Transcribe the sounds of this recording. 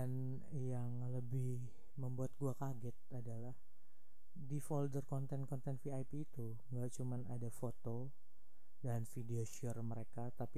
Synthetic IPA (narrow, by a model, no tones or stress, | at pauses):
an | jaŋləbɪh | məmbuat̪̚ɡuakaɡɛt̪̚adalah | difɔldərkɔnt̪ɛnkɔnt̪ɛnfiajpiːt̪u | ŋɡaʔt͡ʃumanadafot̪o | danfideoʃiərməɾekat̪api